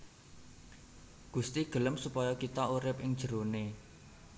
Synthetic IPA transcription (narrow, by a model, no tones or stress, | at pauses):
ɡ̥ṳst̪iɡ̥ə̤ləmsupɔjɔkit̪ɔuɾɪp̚ɪŋd̥ʒ̥ə̤ɾone